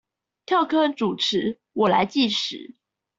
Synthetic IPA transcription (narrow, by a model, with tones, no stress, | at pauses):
t̪ʰjɑ˥˩ʊkʰɤ˥ʈ͡ʂu˨˩ʈ͡ʂʰɻ̩˨˥ | wɔ˨˩la̰˧˦ɪt͡ɕi˥˩ʂɻ̩̰˨˩˦